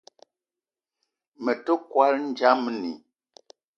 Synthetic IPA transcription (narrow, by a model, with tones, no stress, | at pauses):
mə˨tə˦kwa˦ln̩˦d͡ʒa˦mnḭ˨